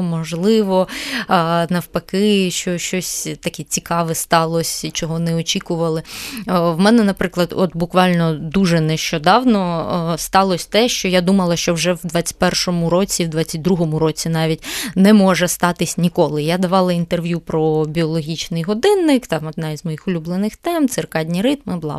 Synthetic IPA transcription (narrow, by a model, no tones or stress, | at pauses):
mɔʒlˠɪʋɔ | nɐwpɐkɪʃt͡ʃɔʃt͡ʃɔsʲt̪ɐkʲɛt͡sʲikɑʋɛst̪ɑlˠɔsʲt͡ʃɔɦɔnɛɔt͡ʃʲikʊʋɐlˠɪ | wmɛnɛnɐpɾɪklˠɐd̪ɔt̪bʊkʋɑlʲnɔd̪uʒɛnɛʃt͡ʃɔd̪ɑwnɔst̪ɑlˠɔsʲt̪ɛʃt͡ʃɔjad̪umɐlˠɐʃt͡ʃɔwʐɛwd̪ʋɑt͡sʲːɐ̥tʲpɛrʃɔmʊɾɔt͡sʲiwd̪ʋɑt͡sʲːɐt̚ʲd̪ɾuɦɔmʊɾɔt͡sʲinɑʋʲitʲnɛmɔʒɛst̪ɑt̪ɪsʲnʲikɔlˠɪjad̪ɐʋɑlˠɐint̪erʋjupɾɔbʲiɔlˠɔɦʲit͡ʃnɪjɦɔd̪ɪnːɪkt̪ɑmɔd̪̚nɑizmɔjixʊlʲublˠenɪxt̪ɛmt̪sɪrkɑdʲnʲiɾɪt̪mɪblˠɑ̰